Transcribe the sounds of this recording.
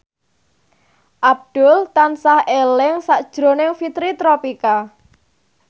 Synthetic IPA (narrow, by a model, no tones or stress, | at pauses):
ʔab̚d̪̥ʊlt̪ansahelɪŋsaʔd̥ʒ̥ɾo̤nɪŋfit̪ɾit̪ɾopika